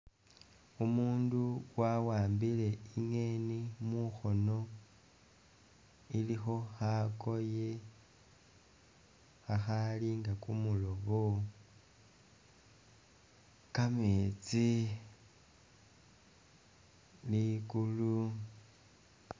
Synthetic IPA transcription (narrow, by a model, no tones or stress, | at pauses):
umuːnduwawaːmbile̞iŋenimuxo̞no̞ | ilixo̞xako̞je | xaxaliŋɡakumulo̞βo | kamet͡si | likulu